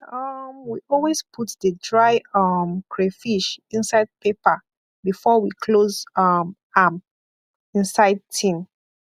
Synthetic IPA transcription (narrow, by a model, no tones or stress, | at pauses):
ʌmwiʔɔlwezpʰutðədɹaɪʌmkʰɹefiʃĩnsaɪd̚pepə | bifɔwikʰlozʌm | am | ĩnsaɪd̚tʰĩn